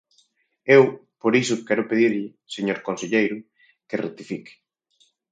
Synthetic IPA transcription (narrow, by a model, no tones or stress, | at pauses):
ewpoɾisʊkɛɾʊpeðiɾʎɪ | seɲoɾkonseʎejɾʊ | keret̪ifikɪ̥